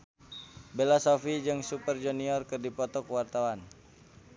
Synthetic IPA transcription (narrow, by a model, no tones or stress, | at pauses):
belasɔfid͡ʒɨŋsupərd͡ʒɔniɔrkɨrdipɔt̪ɔkwart̪awan